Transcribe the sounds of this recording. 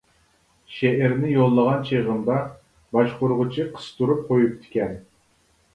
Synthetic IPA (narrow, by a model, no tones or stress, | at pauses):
ʃeʔɛɾnɪjolˠːəʁɑnt͡ʃʰeʁənd̪ɑ | bɑʃqʊɾʁʊt͡ʃʰiqʰə̥st̪ʰuɾup̚qʰojup̚t̪ʰɪ̥kʲɛn